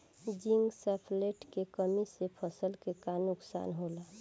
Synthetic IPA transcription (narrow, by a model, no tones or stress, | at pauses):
d͡ʒiŋɡsɛpʰleʈkekəmisepʰəsəlkekanʊksa̰ːnɦola